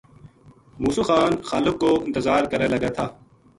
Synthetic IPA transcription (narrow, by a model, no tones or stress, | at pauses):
muːsuːxaːnxaːlɪkːoːɪ̃nt̪ɪzaːɾkəɾeːlɐɡeːt̪ʰaː